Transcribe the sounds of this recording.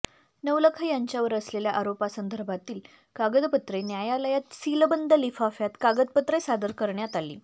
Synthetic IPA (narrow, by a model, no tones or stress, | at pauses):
nəʋləkʰajaɲt͡ɕjaʋəɾəsleljaʔaɾopasənd̪ʱəɾbʱat̪iːl | kaɡəd̪pət̪ɾenjajaləjat̪siləbənd̪ʱəlifafjat̪kaɡəd̪̚pət̪ɾesad̪əɾkəɾɳjat̪alḭː